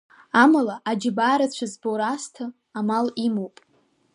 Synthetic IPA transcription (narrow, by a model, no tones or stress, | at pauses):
amalaʔad͡ʒɪbaːɾat͡ɕʷʰazboɾastʰɨ | amalimopʼ